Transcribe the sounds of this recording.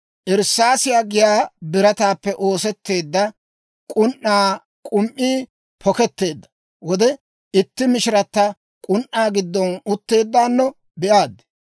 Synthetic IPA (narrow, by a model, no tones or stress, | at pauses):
ʔɛɾsaːsɪjaːɡɪjaːbɪɾɐt̪aːpːɛʔo̞ːsɛt̪ːe̞ːd̪ːɐ | kʼʊnʔːaː | kʼʊmʔiː | pʰɔkɛt̪ːe̞ːd̪ːɐ̥ | wɔd̪ɛ | ɪt̪ːɪmɪʃɪɾɐt̪ːɐ | kʼʊnʔːaːɡɪd̪ːɔnʊt̪ːe̞ːd̪ːaːnːɔ | bɛʔaːd̪ːɛ̥